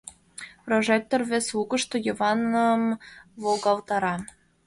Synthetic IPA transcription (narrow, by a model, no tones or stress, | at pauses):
proʒek̚t̪orveslukəʃt̪ojəvɑnəmβolɡɑlt̪ɑɾɑ